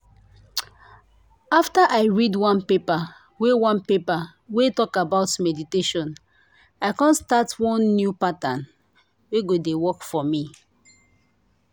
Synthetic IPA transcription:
aftaʔaɪɹidwãnpepa | wewãnpepa | wetɔkabaʊtmɛditeʃɔ̃n | aɪkãnstatwɔ̃nːjupatãn | weɡodewɔkfɔmi

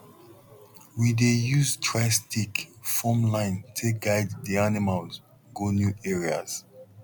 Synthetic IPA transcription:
widejuztʰɹastikfɔmlãɪ̃ntʰek̚ɡajddianimalz | ɡonjuɛɹia̰z̥

